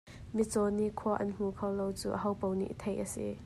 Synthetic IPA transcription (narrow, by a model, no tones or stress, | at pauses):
mit͡sɔniʔkʰuɐʔɐnm̥ukʰawlowt͡sṵːʔəɦɐwpownḭʔt̪ʰejʔəsḭ